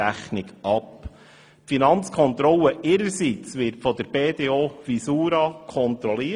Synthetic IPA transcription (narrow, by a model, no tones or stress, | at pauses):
æχnɪɡɑp | finɑnt͡skʰɔnt̪ɾɔlːəʔɪɾəɾsit͡sʋɪɾtfɔd̪əɾb̥eːd̪eːoːfisuːɾɑkʰɔnt̪ɾɔliː